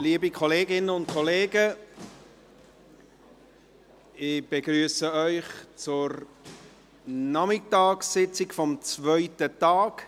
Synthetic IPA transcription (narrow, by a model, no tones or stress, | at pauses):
liəbikʰɔleːɡɪnəʊnt̚kʰɔleːɡə | ɪb̥eɡɾyːsəœʏχt͡sʊɾ | nɑmɪtɑːksɪt͡sɪkfɔmt͡svœʏtətɑːk